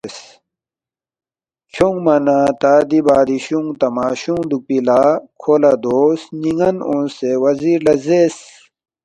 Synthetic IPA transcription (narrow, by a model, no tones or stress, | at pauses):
s | t͡ɕʰuŋɡmɐnat̪aːd̪ibaːd̪iɕuŋt̪ɐmaːɕuŋd̪upilaːkʰoːlad̪oːsniŋɡɐnõːnsewɐziːɾlɐzes